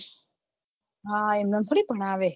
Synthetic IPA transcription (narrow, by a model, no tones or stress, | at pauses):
ɦaemnənt̪ʰoɽipəɳ̃aːʋe